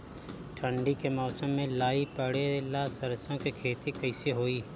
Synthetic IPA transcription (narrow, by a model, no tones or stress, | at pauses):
ʈʰə̃ɳɖikemɔːsəmːẽlaːipəɽelaːsəɾsõkekʰeːt̪ikɐɪseɦoːiː